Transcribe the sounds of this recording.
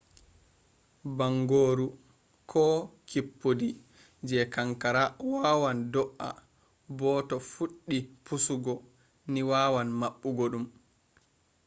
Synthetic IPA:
baŋɡoːɾu | kʰɔkipːodi | d͡ʒɛkaŋkaɾawaːwandɔʔa̰ | bɔːtɔfuɗːipusuɡɔ | niwaːwanmaɓːuɡoɗum

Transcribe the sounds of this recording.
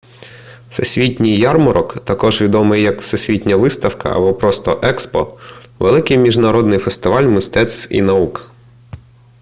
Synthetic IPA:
sesʲʋʲitʲnʲijːɑrmɔɾʔɔkt̪ɐkɔʒʋʲid̪ɔmɪjːɐkwsesʲʋʲitʲnʲɐʋɪst̪ɐwkɐ̰ɐ̰bɔpɾɔst̪ɔʔɛkspɔ̰ʋelˠɪkɪjmʲiʒnɐɾɔd̪nɪjfest̪ɪʋɑlʲmɪst̪ɛt̪st̪wḭnɐuk

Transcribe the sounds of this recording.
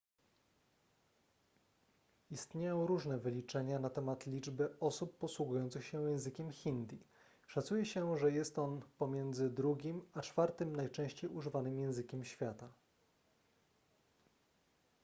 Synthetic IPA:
ist̪ɲejɔ̃w̃ɾuʐnɛvɘlʲit͡ʂɛɲanat̪ɛmat̪lʲid͡ʐbɘɔsupːɔswuɡujɔnt̪sɘxɕɛjɛ̃w̃zɘkʲɛmxʲind̪i | ʂat̪sujɛɕɛʐɛjɛst̪ɔnpɔmʲjɛnd̪zɘd̪ɾuɡʲimat͡ʂfaɾt̪ɘmnajt͡ʂɛ̃w̃ɕt͡ɕejuʐɘvanɘmjɛ̃w̃zɘkʲɛmɕfʲjat̪a

